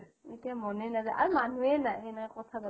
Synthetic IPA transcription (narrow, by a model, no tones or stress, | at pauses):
mitiamɔnenazaʔaɾmanuenaenajkɔtʰada